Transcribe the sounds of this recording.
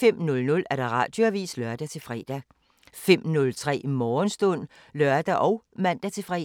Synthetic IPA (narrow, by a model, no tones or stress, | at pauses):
em̰nɔ̽lnɔ̽læɐɾ̥ɑ̈ʁɑ̰̈ːd̥joæʋḭːslɶɐd̥æt͡sʰe̝lfʁɛ̰ːd̥æ | fem̰nɔ̽lt͡sʰʁɛ̰ːmɒːnsd̥ɔn̰ | lɶɐd̥æʔɒʊ | mæn̰d̥æt͡sʰe̝lfʁɛ̰